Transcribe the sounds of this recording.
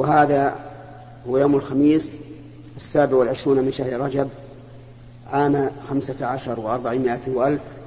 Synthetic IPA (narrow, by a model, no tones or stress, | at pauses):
wɪɦaːða | hʊwajoːmɪlxamiːs | ʔasːaːbɪʕwɪlʕɪʃɾuːnmɪnʃahɾɾˤɑd͡ʒab̚ | ʕaːmxamsaʕaʃɑɾˤwʔɑɾˤbaʕimɪʔat̪ːwɪʔalf